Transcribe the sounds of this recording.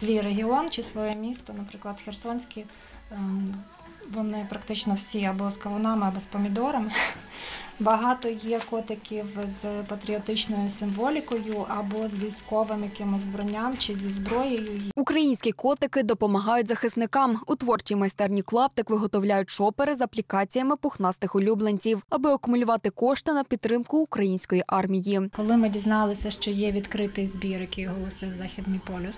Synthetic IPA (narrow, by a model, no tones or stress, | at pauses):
sʋʲijreɦʲiɔnt͡ʃɪsʋɔjɛmʲist̪ɔnɐpɾɪklˠɐd̪xʲersɔnʲsʲkʲi | ʋɔnɪpɾɐkt̪ɪt͡ʃnɔwsʲiɐbɔskɐʋɔnɑmɪɐbɔspɔmʲid̪ɔɾɐmɪ | bɐɦɑt̪ɔjɛkɔt̪ɪkʲiwzpɐt̪ɾʲiɔt̪ɪt͡ʃnɔjʊsɪmʋɔlʲikɔjʊʔɐbɔzʋʲiskɔʋɪmjɐkɪmɪzʲzbɾɔnʲːamt͡ʃɪzʲizbɾɔjejʊukɾɐjinʲsʲkʲikɔt̪ɪkɪd̪ɔpɔmɐɦɑjʊtʲzɐxɪsnɪkɑmʊt̪ʋɔrt͡ʃijmɐsʲt̪ɛrnʲiklˠɑp̚t̪ɪkʋɪɦɔt̪ɔwlʲajʊt̚ʲʃɔpeɾɪzɐplʲikɑt͡sʲijɐmɪpʊxnɑst̪ɪxʊlʲublˠenʲt͡sʲiwɐbɪɐkʊmʊlʲʊʋɑt̪ɪkɔʃt̪ɪnɐpʲid̪t̪ːɾɪmkʊːkɾɐjinʲsʲkɔjiʔɑrmʲijikɔlˠɪmɪdʲiznɑlˠɪsʲɐʃt͡ʃɔjɛʋʲid̪kɾɪt̪ɪjzbʲiɾjɐkɪjɦɔlˠɔsɪzɑxʲid̪nijpɔlʲʊs